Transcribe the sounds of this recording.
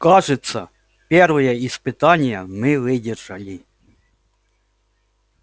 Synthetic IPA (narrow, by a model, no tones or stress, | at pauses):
kɑʐɪt̪sɐ | pʲɛrʋɐjɛispɪt̪ɑnʲjɐmɪʋɪdʲɪrʐɐlʲi